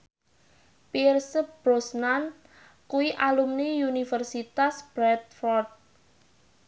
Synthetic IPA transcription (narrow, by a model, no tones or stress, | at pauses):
pirsəb̥ɾosnan | kuiʔalumniunifərsit̪asb̥ɾɛt̪̚fɔrt̪̚